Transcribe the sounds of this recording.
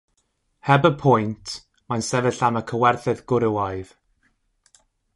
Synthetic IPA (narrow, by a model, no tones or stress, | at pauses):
hɛbəpʰɔjntʰ | mansɛvɛɬaməkʰəwɛrθɨðɡʊɾɪwajð̥